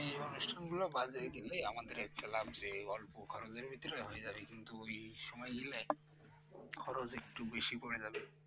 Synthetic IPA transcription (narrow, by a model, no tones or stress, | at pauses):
ejonuʃʈʰanɡulobad͡ʑeɡileamad̪eɾɛk̚ʈalabd͡ʑeɔlpokʰɔɾod͡ʑeɾbʱit̪ːiɾɔɦoed͡ʑabekint̪uojʃɔmɔeɡile | kʰɔɾod͡ʑek̚ʈubeʃipoɽed͡ʑabe